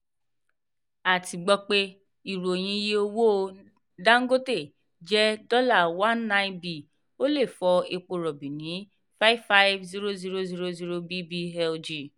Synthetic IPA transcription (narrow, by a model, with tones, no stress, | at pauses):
a˨ti˨ɡ͡bɔ˧k͡pe˧ | i˨ɾo˨o˨j̃ĩ˧je˧o˧wo˦˧ | da˦ŋ̩˦ɡo˦te˦˨ | d͡ʒɛ˦dɔ˦la˦˨wã˦nːã˧ĩ˦bi˨ | o˦le˦˨fɔ˧e˧k͡po˧ɾɔ˨bĩ˨nĩ˨˦ | fa˦i˦vfa˦jvzi˦ɾo˦zi˧ɾo˧zi˧ɾo˧zi˧ɾo˧bi˦bi˧ɦɛ˧ld͡ʒi˨